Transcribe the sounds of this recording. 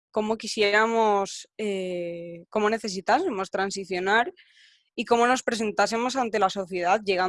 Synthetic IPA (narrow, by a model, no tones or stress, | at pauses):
ko̞mo̞kisjeɾamose | ko̞mo̞ne̞θe̞s̬it̪ase̞mo̞st̪ɾans̬iθjo̞naɾ | iko̞mo̞no̞spɾe̞s̬ẽ̞nt̪ase̞mo̞sant̪e̞laso̞θje̞ð̞aðʝe̞ɣ̞a